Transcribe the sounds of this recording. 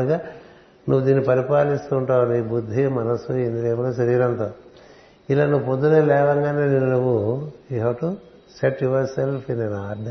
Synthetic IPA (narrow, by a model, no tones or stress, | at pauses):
ɡaː | nuʋːud̪iːnːipɐɾipaːlist̪uːɳʈaːwuniːbud̪ʱːimɐnɐsuend̪ileːmɐɽoːʃɐɾiːɾɐnt̪oː | ilaːnuʋuponːuneːlɛːʋɐŋɡaːneːninnuʋːuiʋɐʈu | seʈuʋɐɾselpʰinenaːɖ